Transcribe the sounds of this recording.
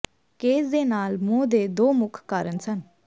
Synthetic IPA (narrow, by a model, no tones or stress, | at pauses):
keːsd̪eːnaːlmõːd̪eːd̪oːmʊkʰkaːɾənsən